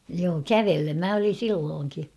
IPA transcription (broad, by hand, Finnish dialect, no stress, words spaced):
joː kæʋelːem mæ olin̞ silːoːŋki